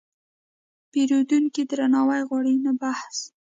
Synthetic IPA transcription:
peɾod̪uŋkid̪ɾanɑwajɣwɑɽinabahs

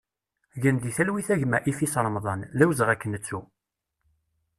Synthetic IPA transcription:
ʝənðiθælwiθæʝmæʔifisɾˤəmðˤɑnlæwzəʁækːənːət͡sːu

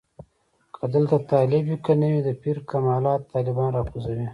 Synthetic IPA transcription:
kʰad̪əlt̪at̪ɑːlɪbikənawid̪əpiɾkamɑːlɑːt̪ːɑːlɪbɑːnɾɑːkuzɐwi

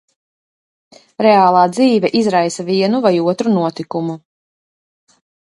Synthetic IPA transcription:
ɾeaːlˠaːd̪ziːvʲɛʔizɾajsaviɛnuvajuɔt̪ɾunuɔt̪ikumu

